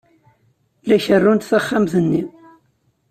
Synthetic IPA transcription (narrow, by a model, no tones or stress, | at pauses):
læçərːunt̪θaχːamθənːi